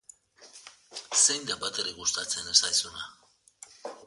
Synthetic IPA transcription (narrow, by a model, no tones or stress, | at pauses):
sejnd̪abat̪eɾiɣust̪at͡sʰenesajsuna